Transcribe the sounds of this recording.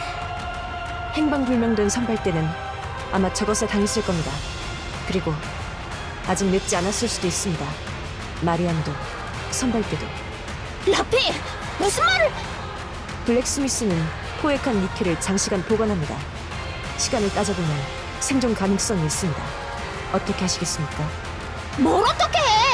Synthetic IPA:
he̞ŋbaŋbuɭmjʌŋdwe̞nsʰʌnpʰaɭt͈e̞nɯn | a̰mat͡ɕʌɡʌsʰʌtaŋis͈ʰɯɭk͈ʌmɲida | kɯɾiɡo | ad͡ʑik̚net̚t͡ɕ͈ianas͈ɯɭs͈udois͈ɯmɲida | maɾiando | sʰʌnpʰaɭt͈e̞do | lapʰi | mʌsʰɯnmaɾɯɭ | pɯɭːe̞k̚s͈ɯmis͈ɯnɯn | pʰoe̞kʰanːikʰeɾɯɭt͡ɕaŋɕʰiɡanpoɡʌnɦamɲida | ɕʰiɡanɯɭt͈ad͡ʑʌdɯmjʌn | sʰe̞ŋd͡ʑoŋkanɯŋs͈ʌŋiis͈ɯmɲida̰ | ʌt͈ʌkʰe̞ɦaɕʰiɡe̞s͈ɯmɲik͈a | mʌɾʌt͈ʌkʰe

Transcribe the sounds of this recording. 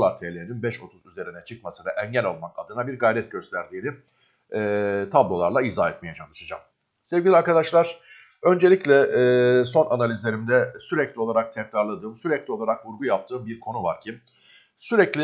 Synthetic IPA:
lˠaɾt̪ʰelʲeininbɛʃo̞t̪ʰuzyze̞ɾinɛt͡ʃʰɯkmasɯvɛʔɛɲɟælʲo̞lˠmakad̪ɯnabiɾɡajɾɛt̪ɟø̞st̪ʰæɾd̪iːni | ɛːt̪ʰablˠo̞lˠaɾlˠaizaːɛt̪mijɛt͡ʃʰanˠɯʃɯd͡ʒa̰m | sevɟʲilʲiaɾkad̪aʃlˠaɾ̥ | ø̞nd͡ʒe̞lʲiclʲɛso̞nʔanalʲizlʲe̞ɾimd̪ɛsyɾɛclʲio̞lˠaɾak̚t̪ʰɛkɾaɾlˠad̪ɯːmsyɾɛclʲio̞lˠaɾakvuɾɡujap̚t̪ʰɯːmbiɾkʰo̞nuvaɾcʰi | syɾɛclʲi

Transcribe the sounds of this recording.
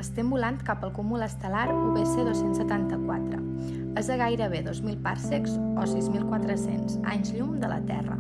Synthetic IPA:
əst̪əmbulant̪kapəlˠkumuləst̪əlaɾuɣeseðosensːət̪ant̪əkwat̪ɾə̰ | əzəɣ̞ajɾəβ̞eðozmilˠpaɾsekzɔsizmilˠkwat̪ɾəsenza̰ɲzʎumd̪ələ̰t̪ɛ̰rə̰

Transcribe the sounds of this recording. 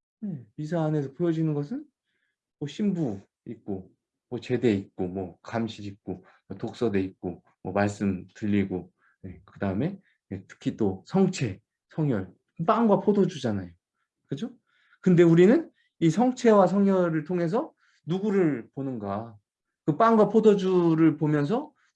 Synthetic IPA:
je̞mis̬ʰaːne̞s̬ʰʌpojʌd͡ʑinɯnɡʌsʰɯn | mʌɕʰimbu | ik̚k͈o | mwʌt͡ɕe̞de̞ik̚k͈omwʌkamɕʰiɾik̚k͈o | mʌtok̚s͈ʌde̞ik̚k͈o | mwʌmaɭs͈ɯmdɯʎːiɡo | je̞kɯdaɯme̞ | jetʰɯ̥kʰit͈osʰʌŋt͡ɕʰe̞ | sʰʌŋjʌɭ | ɯp͈aŋɡwapʰodʰod͡ʑud͡ʑanajo | kɯd͡ʑo | kɯnde̞uɾinɯn | isʰʌŋt͡ɕʰe̞was̬ʰʌŋjʌɾɯɭtʰoŋe̞s̬ʰʌ | nuɡuɾɯɭponɯnɡa | kɯp͈aŋɡwapʰodʌd͡ʑuɾɯɭpomjʌns̬ʰʌ

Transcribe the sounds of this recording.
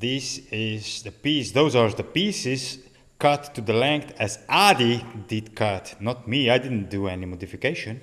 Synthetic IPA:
ðisɪzðəpisðoʊzaɹðəpisɪz̥ | kʌt̪ːud̪əlɛ̃ŋkt̪ɛzʔadidɪd̪kʰʌt̪nɔt̪̚miajdɪd̪n̩d̪uɛnimɔd̪ifikeɪʃɔ̃n

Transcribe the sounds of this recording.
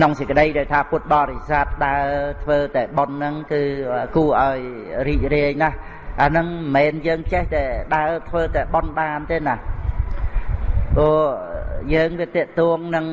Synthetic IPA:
kʰnoŋsəkə̆ɗəjɗaɛlt̪ʰaːpʊət̪̚ɓɑːɾesaːt̪̚ɗaət̪ʰʋəːt̪aɛɓonːɨŋkɨːkuəʔaɔj | riːc̚riəjnah | ʔanɨŋmɛːnjəːŋt͡ɕɛht̪aɛɗaət̪ʰʋəːt̪aɛɓonɓaːnt̪eːnah | pɔə | jəːŋʋiət̪ɛ̆əʔt̪ɔəŋnɨŋ

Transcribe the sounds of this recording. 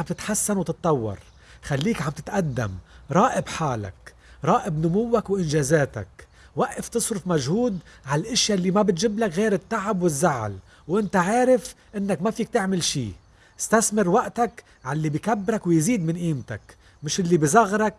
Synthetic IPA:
amb̚t̪ɪt̪ħasːanwt̪ɨt̪̚ˤːɑwːɑ̰ɾˤ | xalːiːkʕamb̚t̪ɪt̪ʔad̪ːa̰mɾˤɑːʔɪbħaːla̰k | ɾˤɑːʔɪbnʊmʊwːakwʔɪnʒaːzaːt̪a̰k | waʔːɪft̪ɨsˤɾʊfmaʒhuːd̪ʕalʔɪʃjalːimabɪt̪ʒɪblakɣeːɾɪt̪ːaʕabwɪzːaʕ̰l | wʔɪnt̪aʕaːɾɪfʔɪnːakmafiːk̚t̪ɪʕmɪlʃḭː | ɪ̥st̪asmɪɾwaʔt̪ak | ʕalːibijkabːɾakwjziːd̪mɪnʔiːmt̪a̰k | mɪʃʔɪlːibizˤɑɣɾˤɑk̚

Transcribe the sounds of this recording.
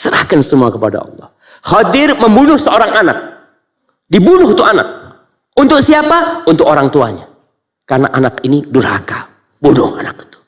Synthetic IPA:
səɾa̰hkansəmuakəpada̰ɑ̰lˠːɔ̰h | xɔdɪrməmbunʊhsəoɾaŋanak̚ | dibunʊht̪uana̰k̚ | unt̪ʊk̚siapaunt̪ʊkoɾaŋt̪ua̰ɲa̰ | karna̰ʔanakinidʊrha̰ka | bunʊhanaki̥t̪u̥

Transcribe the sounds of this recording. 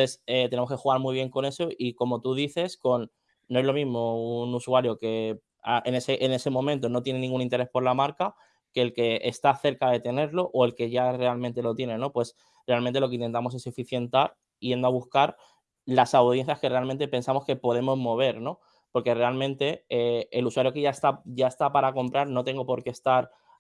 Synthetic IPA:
eset̪enemoke̞xuɣaɾmuiβ̞je̞ŋkone̞so̞ʔiko̞mo̞t̪uðiθe̞sko̞nː | o̞e̞zlo̞mizmo̞unusuaɾjo̞ke̞ | aʔene̞seʔene̞se̞mõ̞mẽnt̪o̞no̞t̪je̞ne̞nĩŋɡunĩnt̪e̞ɾespo̞ɾlamaɾka | ke̞ːlke̞ʔest̪aθe̞ɾkaðe̞t̪e̞ne̞ɾlo̞ʔoe̞lke̞ʝare̞almẽnt̪e̞lo̞t̪je̞ne̞no̞pwe̞s | re̞almẽnt̪elo̞k̬eint̪e̞nt̪amo̞s̬e̞sefiθje̞nt̪aɾ | ije̞nd̪oaβuskaɾ | lasawðje̞n̟θjaske̞re̞alment̪e̞pe̞nsamo̞ske̞po̞ð̞e̞mo̞zmo̞β̞e̞ɾno̞ | po̞ɾke̞re̞almẽnt̪e̞eːluswaɾjo̞ke̞ʝaest̪aʝae̞st̪apaɾako̞mpɾaɾno̞t̪e̞ŋɡo̞po̞ɾke̞ːst̪aɾ

